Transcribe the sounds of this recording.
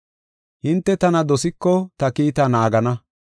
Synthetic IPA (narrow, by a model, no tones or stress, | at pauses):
hɪnt̪ːɛt̪ɐnɐd̪ɔsɪkːɔt̪ɐkiːt̪ɐnaːɡɐnɐ